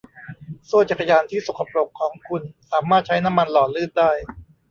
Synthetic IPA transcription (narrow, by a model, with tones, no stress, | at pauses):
so˥˩t͡ɕa˨˩kʰːa˧jaː˧nt̪ʰiː˥˩so˨˩kʰa˧pɾo˨˩kʰːɔː˩˦ŋkʰu˧nsaː˩˦maː˥˩t̪̚t͡ɕʰa˦˥jna˦˥mːa˧nlɔː˨˩lɯː˥˩t̪̚daː˥˩j